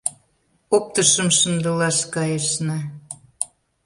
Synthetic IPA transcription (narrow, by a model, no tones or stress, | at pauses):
ok̚t̪əʃəmʃə̆nd̪əlɑʃkɑjəʃnɑ